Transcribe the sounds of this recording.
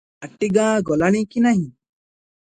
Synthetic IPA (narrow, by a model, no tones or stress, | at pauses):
ɐʈːiɡãːɡɔlaɽ̃ĩkinaɦĩ